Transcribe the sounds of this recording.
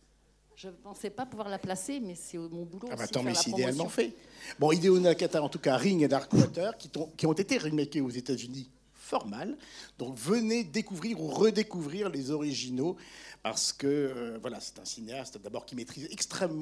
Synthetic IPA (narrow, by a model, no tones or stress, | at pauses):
ʒəpɑ̃sɛpapuvwaʁlaplasemɛsɛomɔ̃buloabat̪ɔ̃mɛsɛid̪ealmɑ̃fɛbɔ̃id̪eonakat̪aɑ̃t̪ukaʁiŋed̪aʁkwat̪œʁkʲit̪ɔ̃kʲiɔ̃t̪et̪eʁimakʲeozet̪azyni | fɔʁmald̪̥ɔ̃kvəned̪ekuvʁiʁuʁəd̪ekuvʁiʁlezɔʁiʒinopa̰ʁsə̥kəøvwalasɛ̥t̪ɛ̃sineast̪d̪abɔʁkʲimet̪χizɛkst̪χɛm̃ː